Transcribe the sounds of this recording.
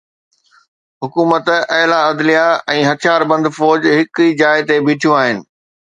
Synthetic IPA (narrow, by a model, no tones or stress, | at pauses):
ɦʊkuːmət̪ɐɦlaɐd̪lijaɛ̃ːɦɐt̪ʰjaːɾbɐ̃nd̪fɔːd͡ʑɦɪkid͡ʑaːɪt̪ebɪːʈʰjũaːɦɪnɪ̆